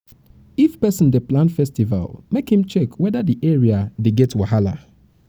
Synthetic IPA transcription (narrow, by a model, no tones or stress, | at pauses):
ifpɛsə̃ndeplãnfɛstiva̰lmekhĩmt͡ʃɛkʰwɛdadiʔɛɹiadeɡɛtwahala̰